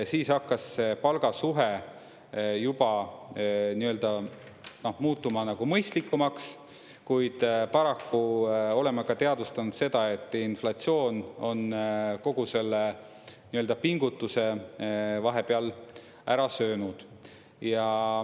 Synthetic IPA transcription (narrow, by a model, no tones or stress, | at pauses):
siːsɑkːˑɑsːepɑlɡ̥ɑsuɦe̞ | jub̥ɑ | niøld̪̥ɑ | no̞hmuːt̪ːˑumɑnɑɡ̥umɤjst̪likːumɑks | kujd̪̥pɑɾɑkːuo̞le̞mɑkɑt̪e̞ɑd̪̥ust̪ɑnud̪̥se̞d̪̥ɑe̞t̪ˑːinflɑt̪sio̞ːno̞nko̞ɡ̥use̞lːe | niøld̪ɑpiŋɡ̥ut̪ːˑuse̞ | vɑɦe̞peɑl | æɾɑsøːnud̪̥ | jɑ